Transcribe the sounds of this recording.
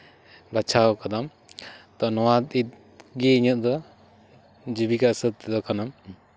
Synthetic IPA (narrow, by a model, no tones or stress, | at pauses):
bat͡ʃʰaɔkad̪am | t̪ɔnɔwat̪it̪̚ | ɡɛiɲɔt̪̚d̪ɔ | d͡ʒibikasət̪̚ːɛd̪ɔkanam